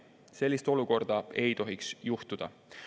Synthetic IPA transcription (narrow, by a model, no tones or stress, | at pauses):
se̞lʲːist̪o̞luko̞rd̪̥ɑe̞jt̪o̞ɦiksjuht̪ud̪̥ɑ̰